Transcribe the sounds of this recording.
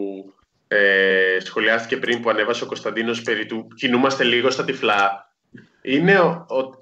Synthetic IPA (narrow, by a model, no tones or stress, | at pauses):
u | esxo̞liɐst̪i̥ce̞pɾimpuɐne̞vɐseo̞ko̞st̪ɐnd̪ino̞spe̞ɾit̪ucinumɐst̪e̞liɣo̞st̪ɐt̪iflɐ | ine̞oo